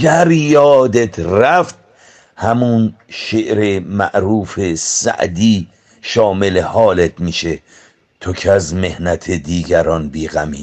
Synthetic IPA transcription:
ɡæɾjɒːd̪et̪ʰɾæft̪̚ | hæmun | ʃeʔɾemæ̰ʔɾuːfesæ̰ʔd̪iː | ʃɒːmelehɒːlet̪ʰmiːʃe | t̪ʰokʰezmehnæt̪ʰed̪iːɡæɾɒnbiːɣæmḭː

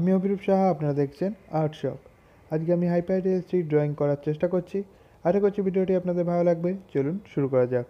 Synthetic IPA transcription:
amiobʱiɾubʃaɦaapnaɾad̪ekʰt͡ɕʰenaɾʈʃɔ̰p | ad͡ʑkeamiɦajpajʈesʈɾiʈ̚ɖɾɔiŋkɔɾaɾt͡ɕeʃʈakoɾt͡ɕʰi | aʃakoɾt͡ɕʰibiɖioʈiapnad̪eɾbʱabolaɡbet͡ɕolunʃuɾukɔɾad͡ʑa

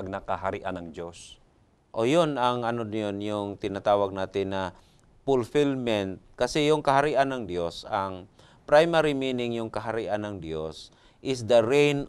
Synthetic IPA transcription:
ɡ̚nɐkɐɦaɾiʔanɐŋd͡ʒos | ʔojonɐŋɐnonjonjʊŋt̪ɪnat̪aːwɐɡ̚naːt̪ɪnːɐ | fʊlfɪlmɛnt̪̚kɐsɛjʊŋkɐhɐɾiʔanɐŋd̪josaŋ | pɾajmaɾimiːnɪŋjʊŋkɐɦɐɾiʔanɐŋd̪jos | ʔɪsd̪ɐɾɛjn

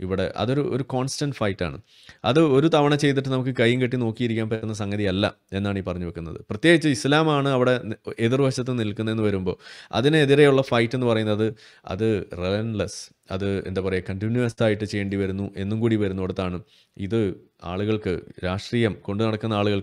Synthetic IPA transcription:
iʋiɽe̞̰ʔɐ̰ðo̞ɾuʔo̞̰ɾuko̞ːnstɐɳɖfɐjʈːa̰ːɳɨ̰ | ɐðɨo̞ɾut̪ɐʋɐɳɐt͡ɕe̞jt̪̬iʈ̬ːɨnɐmuk̬ːɨkɐjːuŋkɐʈːino̞ːkːijiɾikʲːaːnpɐːunːɐs̬ɐŋɡɐðiɐlːɐ̰ | enːaːɳiːpɐrɐɲːuʋekːunːɐ̰ðɨ̰prɐt̪jeːɡit͡ɕːɨislaːmaːɳɨɐʋiɽe̞eðirʋɐɕɐt̪ːɨnilkːunːɐe̞nːɨʋɐɾumbo̞ːɐ̰ðineːðiɾejuɭːɐfɐjʈːe̞nːɨpɐrɐjunːɐɐðɨ | ɐ̰ðɨrelenlɐs | ɐ̰ðɨe̞nd̪aːpɐrɐjɐkɐɳʈinjuɐsaːjiʈːɨt͡ɕe̞jːeɳɖiʋɐɾunːuʔe̞nːumkuːɽiʋɐɾunːuʋɐɽut̪ːaːɳɨ | ḭðɨ | a̰ːɭuɣɐɭkɨ̰ɾaːʂʈriːjɐmko̞ɳɖunɐɽɐkːunːɐaːɭuɣɐɭ

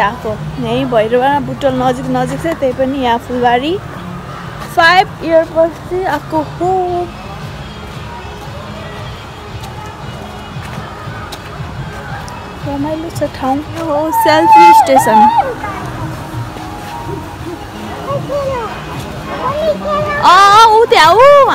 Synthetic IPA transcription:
atonʌj̃bʱʌjɾʌbanãbuʈʌlnʌd͡ziknʌd͡zikt͡sʰʌt̪ʌjpʌnijãpʰulbaɾi | pʰajbiʌrpʌst͡siapʰkokʰub | kʌnajlut͡sʰʌʈʰawŋkoɦoselpʰisʈesʌn | ʌut̪eau

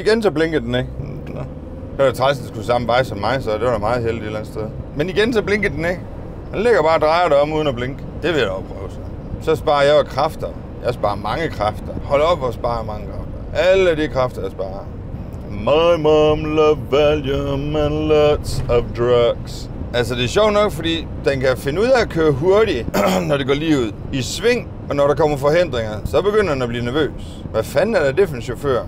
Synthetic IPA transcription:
iɡ̥ensʰɒb̥leŋɡ̥əd̥ene̥ | n̥ | æt͡sʰʁasn̥esɡ̥usɑ̈m̩ʋɑ̈ɪsɒ̽mːɑ̈ɪsɒ̽d̥eʋɑɾamɑ̈ːð̩ˠhel̰died̥læn̩sd̥ʰeðˠmeniɡ̥ensɒb̥le̝ŋɡ̥əd̥ene̥ | nle̝ɡ̥ɐb̥ɑ̈ːd̥ʁɑ̈ɪɐɾɑɒ̽muð̞ˠnæb̥leŋɡ̥əd̥e̝ʋe̝jd̥ɒpʰʁœːʊsɒ | sɒ̽sb̥ɑ̈ːɐjɑɒkʰʁɑfd̥ɐ | jɑ̈ɪsb̥ɑ̈ːɐmɑ̈ŋəkʰʁɑfd̥ɐhɒ̽l̰ɒb̥ɒsb̥ɑ̈ːjɑmɑ̈ŋəkʰʁɑ̈fd̥ɐʔæləæɾikʰʁɑfd̥ɐjɑ̈sb̥ɑ̰̈ːɐ | mɑɪmɑmləʋæljumenlɔdsɒʋd̥ʁɑɡ̥s | æl̰s̬ɒd̥e̝æɕɒʊ̰̥nɒ̽ɡ̥fɒd̥ḭː | d̥enkæfe̝nəuð̰ˠæɒkʰøːɐɦuɐɾinɒɾe̝ɡɒ̰ːliːuð̰ˠisʋe̝ŋ̰ | ɒ̽nɒɾɑ̈kʰɒ̽m̰ɐfɒ̽hen̰d̥ʁeŋɐsɒ̽b̥e̝ɡ̥øn̰ɐdenæb̥liːɐnæɐʋø̰ːs | ʋæfænæɐɾ̥æd̥e̝fnɕofø̰ɐ̰

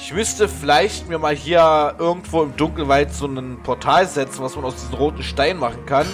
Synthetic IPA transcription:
ʔɪçmʏstəfɪlaɪçtmiːɐmaːlɦiːɐʔɪɐɡŋ̩tv̥oːɪmdʊŋkl̩vaɪtz̥oːnənpʰɔɐtʰaːlzɛt͡sn̩vasmanaʊsd̥iːzəm̩ʁoːtn̩ʃtaɪnmaχn̩kʰan

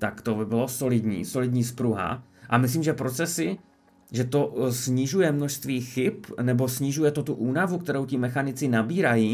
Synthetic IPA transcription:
t̪akt̪obɪbɪlo̞so̞lɪdɲḭːso̞lɪdɲiːspɾuɦa̰ʔamɪs̬liːmʒɛpɾo̞t͡sɛsɪ | ʒɛt̪o̞sɲɪʒujɛmno̞ʃst̪viːxɪpnɛbo̞sɲɪʒujɛt̪o̞t̪uʔuːnavukt̪ɛɾowcɪmɛxanɪt͡sɪnabiːɾajiː

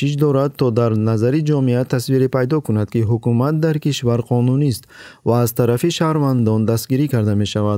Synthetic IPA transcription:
iʃd̪ɔɾad̪̚t̪ʰɔd̪aɾnazaɾid͡ʒɔmiat̪ʰasviɾipʰajd̪ɔkunad̪kiɦukumat̪̚d̪aɾkiʃvaɾqʰɔnunist̪vaːzt̪ʰaɾafiʃahɾvand̪ɔnd̪ast̪ɡiɾikaɾd̪ame̞ʃavad̪

